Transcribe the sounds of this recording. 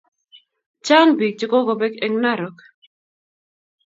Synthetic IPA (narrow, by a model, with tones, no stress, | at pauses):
t͡ʃa˦ŋbi˨k̚t͡ʃɪ˦ko˦ɡo˨bɛ˦ke˦ŋna˦ɾo˨k